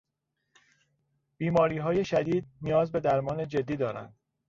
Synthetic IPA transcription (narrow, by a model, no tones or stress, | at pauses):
b̥iːmɒːɾiːɦɒːje̞ʃæd̪iːd̪̚nijɒːzbe̞d̪æɾmɒːne̞d͡ʒe̞d̪ːiːd̪ɒːɾæ̰nd̪̥